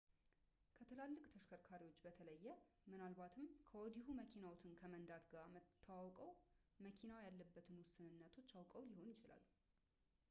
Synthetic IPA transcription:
kʰət̪ʰɨlalːɨkʼt̪ʰəʃkʰəɾkʰaɾiwo̞t͡ʃːbət̪ʰələjːɛ | mɨnalβat̪ʰɨmkʰəwɔd̪iɦuməkʰinawot̪ʰɨnkʰəmənd̪at̪ɡamət̪ʰːawawkʼəwməkʰinawjalːəbːət̪ʰɨnwʊsːɨnɨnːət̪ʰo̞t͡ʃːawkʼəwliho̞njɪt͡ʃɪla̰l

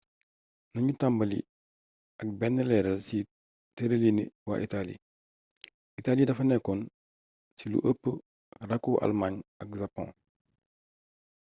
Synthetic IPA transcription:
nɐɲutambɐlḭ | ɐk̚bɛnːəlɛːɾɐlsi | teɾeliniwa̰ʔitalḭ | itaːlidɐfɐnɛkːɔn | silṵʔəpːə | rɐkːuʔa̰lmaɲɐkʒapɔ̰̃ː

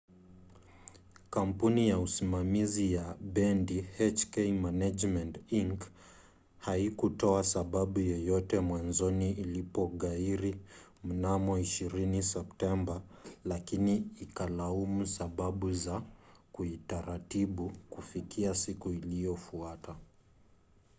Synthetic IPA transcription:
kam̩punijausimamizijaɓɛndihɛt͡ʃkɛimanad͡ʒmɛntiŋk | haikutɔasaɓaɓujɔjɔtɛmwanzɔniʔilipɔɠaiɾi | m̩namɔiʃiɾinisɛp̚tɛmbalakiniːkalaumusaɓaɓuzakuitaɾatiɓukufikʰiasikuilijɔfuata

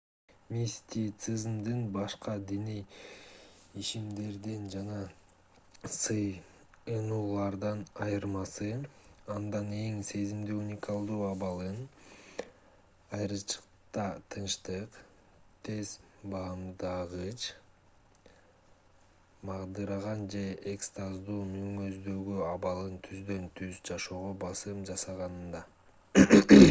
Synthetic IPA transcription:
mʲisʲt̪ʲit̪sɨzmd̪ɯnbɑʃqɑd̪inij | iʃimd̪e̞ɾd̪ind͡ʒɑnɑ | sɯj | ɯnuːlˠɑɾd̪ɑnɑjɯɾmɑsɯɑnd̪ɑne̞ŋse̞zimd̪yunʲɪkɑlˠd̪uːɑβɑlˠɯn | ɑjɾɯt͡ʃʰɯ̥q | t̪ɑt̪ʰɯnʃt̪ɯq | t̪ʰe̞z̥ | bɑɯmd̪ɑʁɯt͡ʃ | mɑʁd̪ɯɾɑʁɑnd͡ʒe̞ʔekst̪azd̪uːmyŋøzd̪ø̞ɡyɑβɑlˠɯnt̪ʰyzd̪ø̞nt̪ʰyzd͡ʒɑʃo̞ːʁobɑsɯmd͡ʒɑsɑʁɑnɯnd̪ɑ

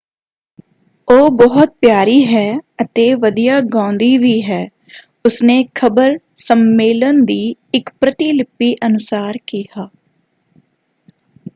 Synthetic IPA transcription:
oːbɔɦət̪̚pjaːɾiːɦɛːət̪eːʋəd̪ijaːɡãːnd̪iːʋiːɦɛː | ʊsneːkʰəbəɾ | səmːeːlənd̪iːɪkpɾət̪iːlɪpːiːʔənʊsaːɾkiːɦaː

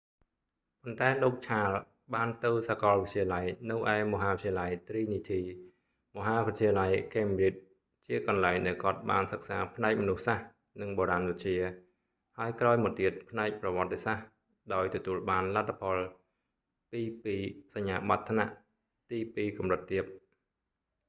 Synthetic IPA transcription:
pont̪aɛloːk̚t͡ɕʰaːl | ɓaːnt̪ɨwsakɑlʋic̪̚t͡ɕʰiəlajnɨwʔaɛmɔɦaːʋit̪̚t͡ɕʰiəlajt̪riːnit̪ʰiː | mɔɦaːʋɨc̚t͡ɕʰiəlajkeːmrit̪̚ | t͡ɕiəkɑnlaɛŋɗaɛlkŏət̪̚ɓaːnsək̚saːpʰnaɛk̚mɔnuhsah | nɨŋɓoːɾanʋɨt͡ɕiə | haəjkraɔjmɔt̪iət̪̚pʰnaɛk̚prɑʋŏət̪ːesah | ɗaɔjt̪ɔt̪uəlɓaːnlat̪ʰːapʰɑl | piːpiːsaɲːaːɓat̪ʰːna̰ʔ | t̪iːpiːkɑmrɨt̪ːiəp̚

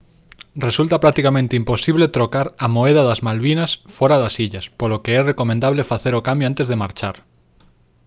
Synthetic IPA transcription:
result̪ɐpɾak̚t̪ikamẽnt̪eimposiβlet̪ɾokaɾɐmoeðaðazmalβinɐsfɔɾaðasiʎɐspolokeɛrekomẽnd̪aβlefaθeɾokambjoant̪ezðemaɾt͡ʃaɾ

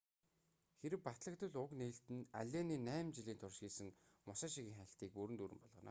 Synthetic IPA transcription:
xeɾɘ̆wpat̪ɮə̆kt̪ɵ̆ɮʊkneːɬt̪ɘ̆na̰ɮʲeːniːnæːmt͡ɕiɮiːnt̪ʰʊrʃxiːsɘ̆ŋmʊsaːʃiɣɘ̆ːŋχæ̆ɬt̪iːk̚puɾɘ̆t̪uɾɘ̆mpɔɮʁɞ̆na̰ː

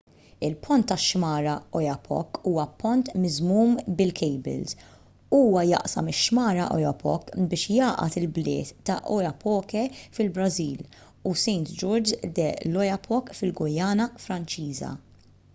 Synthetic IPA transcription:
ɪlpʰɔnt̪ːɐʃmɐːɾɐɔjɐpʰɔ̰kːuːwɐpɔnt̪mɪzmuːmbɪlkʰɛjbɪ̰lz | uːwɐjɐ̰ʔsɐ̰mɪʃmɐːɾɐʔɔ̰jɐpɔ̰kːbɪːʃjɐːʔɐ̰t̪ɪlblɪ̰ːt̪ːɐʔɔjɐpʰɔːkɛfɪlbɾɐziːl | usɛjnt̪d͡ʒɔɾd͡ʒd̪ɛlɔjɐpʰɔkfɪlɡɔjɐːnɐfɾɐnt͡ʃiːzɐ̰

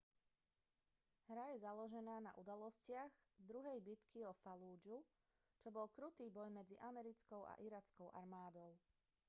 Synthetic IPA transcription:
ɦɾajɛzalɔʒɛnaːna̰ʔud̪alɔscɪaɣd̪ɾuɦɛjbit̪kʰiɔfaluːd͡ʒu | t͡ʃɔbɔlkɾut̪iːbɔjmɛd͡ziʔamɛɾit͡skɔʊʔa̰ʔiɾaːt͡skɔʊʔa̰ɾmaːd̪ɔʊ

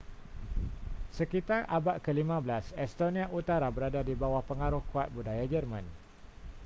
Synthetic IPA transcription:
səkit̪arʔabaʔ̚kəlimãbəlasɛst̪onĩaʔut̪aɾabəɾadadibawahpəŋaɾʊhkuat̪̚budajad͡ʒərmã̰n

